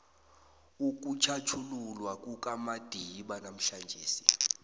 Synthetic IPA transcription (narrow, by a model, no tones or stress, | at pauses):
uk̬ut͡ʃʰat͡ʃʰululwak̬ʼuk̬ʼamad̥ʱiɓanam̩ɬand͡ʒʱeːsi̥